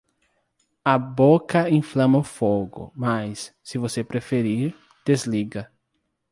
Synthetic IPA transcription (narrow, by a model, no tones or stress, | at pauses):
ɐbokɐĩflɐ̃mɐʊfoɡʊ̰masːɪvosepɾefeɾiɾ | d̪̥ezliɡɐ